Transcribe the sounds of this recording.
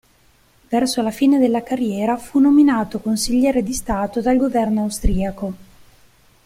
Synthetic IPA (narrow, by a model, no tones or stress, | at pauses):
vɛrsolafiːned̪elːakarjɛːɾafunominaːt̪okonsiʎːɛːɾed̪ist̪aːt̪od̪alɡovɛrnoawst̪ɾiːako